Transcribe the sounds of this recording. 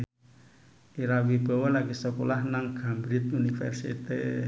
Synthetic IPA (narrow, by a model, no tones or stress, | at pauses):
iɾawib̥ɔ̤wɔlaɡisəkolahnaŋɡ̥ambɾit̪unifɛ̰rsḭt̪i